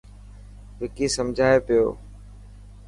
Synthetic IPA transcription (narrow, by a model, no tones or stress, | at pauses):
ʋɪkiːsəmd͡ʒʱaːepɪjo̰ː